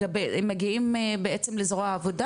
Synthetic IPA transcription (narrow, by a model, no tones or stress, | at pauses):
abemːaɡiimebeʔet͡semlezʁoaːvoda